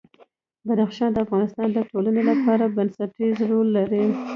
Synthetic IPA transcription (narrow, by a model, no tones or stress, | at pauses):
bad̪axʃɑnd̪əafɣɑnɪst̪ɑnd̪əʈʰolanelapɑɾabansaʈizɾolːaɾi